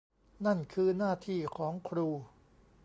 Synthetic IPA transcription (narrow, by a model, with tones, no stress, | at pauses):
na˥˩nkʰɯː˧naː˥˩t̪ʰiː˥˩kʰɔː˩˦ŋkʰɾuː˧